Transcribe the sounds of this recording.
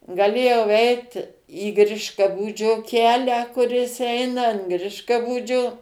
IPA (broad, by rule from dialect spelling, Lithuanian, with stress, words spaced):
ɡɐˈlʲeːjɛʊ ˈɛɪt iː ˈɡrʲɪʃkɐbuːd͡ʒʲoː ˈkʲæːlʲæː kʊˈrʲɪs ˈɛɪnɐ ɐn ˈɡrʲɪʃkɐbuːd͡ʒʲoː